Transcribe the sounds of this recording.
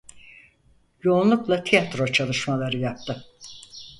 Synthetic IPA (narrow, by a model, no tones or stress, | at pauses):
jo̞unlˠuklˠat̪ʰijat̪ɾo̞t͡ʃʰalˠɯʃmalˠaɾɯjap̚t̪ɯ